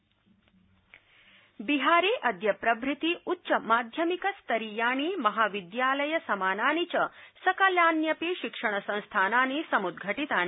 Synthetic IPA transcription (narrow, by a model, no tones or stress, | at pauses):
biɦaːɾeːʔɐd̪ʱjɐpɾɐbɾit̪iutːʃɐmaːd̪ʱjɐmikɐst̪ɐɾijaːɳiːmɐɦaːʋid̪jaːlɐjɐsɐmaːnaːnit͡ʃɐsɐkɐljaːnjɐpiːʃikʂɐɳ̃ɐsɐ̃ñst̪ʰaːnaːnisɐmud̪ɡʱɐʈit̪aːni